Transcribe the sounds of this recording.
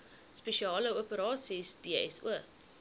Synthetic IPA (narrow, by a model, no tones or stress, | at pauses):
speʃiɑːləuəpəɾɑːsisdiəɛsṵə